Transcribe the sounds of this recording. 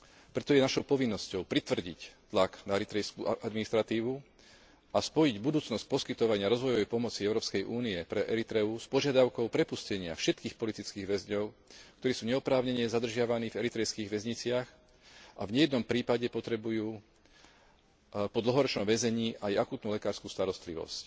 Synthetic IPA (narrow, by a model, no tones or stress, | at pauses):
pɾɛt̪ɔjɛnaʃɔʊpɔʋinːɔscɔʊpɾit̪ʋr̩ɟḭct̪laknaɛɾit̪ɾɛskuaad̪minist̪ɾat̪iːʋu | ʔaspɔjiɟbud̪uːt͡snɔsc̚pɔskit̪ɔʋaɲɪaɾɔzʋɔjɔʋɛjpɔmɔt͡siɛʊɾɔːpskɛjʔuːniɛpɾɛʔɛɾit̪ɾɛuspɔʒɪad̪aʊkɔʊpɾɛpuscɛɲɪa̰fʃɛt̪kiːxpɔlit̪it͡skiːɣʋɛzɲɔʊk̚t̪ɔɾiːsuːɲɛɔpɾaːʊɲɛɲɛzad̪r̩ʒɪaʋaniːvɛɾit̪ɾɛjskiːɣʋɛzɲit͡sɪax | ʔavɲɛjɛd̪nɔmpɾiːpaɟɛpɔt̪ɾɛbujuː | pɔd̪l̩ɦɔɾɔt͡ʃnɔmʋɛzɛɲiːʔajakuːt̪nulɛkaːɾskuːst̪aɾɔst̪liʋɔ̰sc